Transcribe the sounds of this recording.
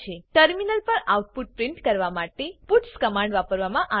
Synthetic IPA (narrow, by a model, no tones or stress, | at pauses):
eʈəɾminəlpəɾauʈ̚puʈ̚pɾɪ̃ɳʈkəɾʋamaʈepuʈskəmãɳɖʋapəɾʋamãʔa